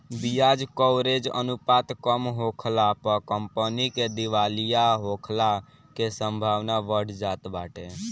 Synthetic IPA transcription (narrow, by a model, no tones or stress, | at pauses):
bijad͡ʒkəwɾed͡ʒə̰nupat̪kəmɦokʰlapəkəmpəniked̪iʋalijaɦokʰla | kesə̃mbʱaʋnaʋəɽ̤d͡ʒat̪baʈe